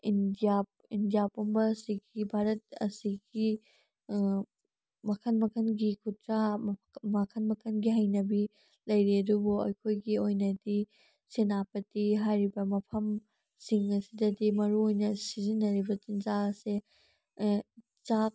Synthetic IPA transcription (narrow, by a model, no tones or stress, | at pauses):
indijap̚ | indijapombɐsiɡibʱaɾɐt̚ɐ̰siɡi | mɐkʰɐnmɐkʰɐnɡikʰua | mɐkʰɐnmɐkʰɐnɡiɦɐjnɐbi | lɐjɾiɐdubuɐ̰jkʰojɡiojnɐdi | senapɐtiɦajɾibɐmɐpʰɐm | siŋɐsidɐdimɐɾuojnɐsizinːɐɾibɐt͡ʃinzaɐse | t͡ʃak̚